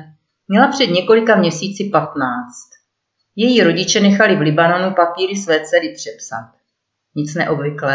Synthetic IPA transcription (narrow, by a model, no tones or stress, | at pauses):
mɲɛlapr̝̥ɛd̪ɲɛko̞lɪkamɲɛsiːt͡sɪpat̪naːt͡st̪ | jɛjiɾo̞ɟɪt͡ʃɛnɛxalɪvlɪbano̞nupapiːɾɪsvɛːt͡sɛɾɪpr̝̥ɛpsa̰t̪̚ | ɲɪt͡snɛʔo̞bvɪklɛː